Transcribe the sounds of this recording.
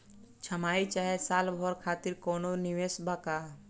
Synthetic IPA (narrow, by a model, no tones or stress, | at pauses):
t͡ʃʰəmaːit͡ʃaːɦɛsaːlbʱɔɾkʰaːt̪iɾkoːnoniʋeːsbaka